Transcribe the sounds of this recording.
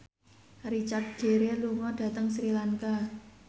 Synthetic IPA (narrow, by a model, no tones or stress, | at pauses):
rit͡ʃart̪̚ɡ̥e̤ɾeluŋɔɖ̥ä̤t̪əŋsɾilaŋka